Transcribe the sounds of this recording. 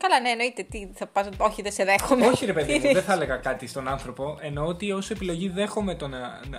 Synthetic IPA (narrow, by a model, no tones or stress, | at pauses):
kɐlɐneːno̞it̪et̪iθɐpɐso̞çiðeseðexomo̞çiɾe̞pe̞ðimðeθɐle̞ɣɐkɐt̪ist̪o̞nɐnθɾo̞po̞ʔe̞no̞ot̪io̞se̞pilo̞ʝiðe̞xomet̪onɐn